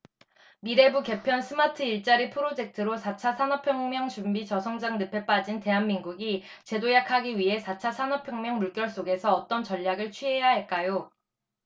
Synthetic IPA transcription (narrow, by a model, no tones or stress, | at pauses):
miɾe̞buke̞pʰjʌnsʰɯmatʰɯiɭt͡ɕ͈aɾipʰɯɾod͡ʑe̞k̚tʰɯɾosʰat͡ɕʰasʰanʌpʰjʌŋmjʌŋt͡ɕumbit͡ɕʌsʰʌŋd͡ʑaŋnɯpʰe̞p͈ad͡ʑinte̞ɦanminɡuɡi | t͡ɕe̞dojakʰaɡiɥiɦe̞sʰat͡ɕʰasʰanʌpʰjʌŋmjʌŋmuɭk͈jʌɭs͈oɡe̞sʰʌːt͈ʌnt͡ɕʌʎːaɡɯɭt͡ɕʰɥiɦejaɦaɭk͈ajo